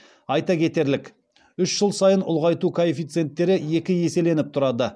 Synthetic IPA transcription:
ɑjt̪ɑkʲʰe̞t̪e̞ɾlɪkʲ | ʏʃʒ̥əlˠsɑjənʊ̰lˠʁɑjt̪ukʰoefijt̪sɨe̞nt̪ːe̞ɾɪje̞kʲɪje̞se̞le̞nɪp̚t̪ʰʊɾɑd̪ə

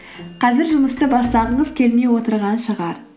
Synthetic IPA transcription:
qʰɑzɪɾʒʊməst̪əbɑst̪ɑʁəɴəzkʲʰe̞lme̞jwo̞t̪əɾʁɑnʃəʁɑɾ

